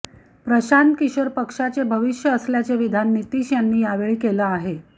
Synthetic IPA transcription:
pɾəɕankiɕʋəɾpəkʂat͡sebʱəʋiɕjəːsljat͡seʋid̪ʱanːit̪iːɕjanːiːjaʋeɭiːkelaːɦe

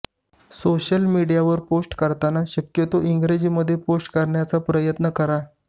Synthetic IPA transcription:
soɕəlmiɽijaʋəɾposʈkəɾt̪anaɕəkjət̪oʔiŋɡɾed͡ʑiːməd̪ʱːjeposʈkəɾɳjat͡sapɾəjət̪nəkəɾa

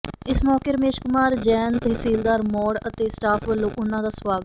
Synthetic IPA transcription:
ɪsmɔːkeːɾəmeːʃkʊmaːɾd͡ʒɛːnt̪eːsiːld̪aːɾmɔːɖət̪eːsʈaːpʰʋəlːõːʔʊnːãːd̪aːsəʋaːɡt

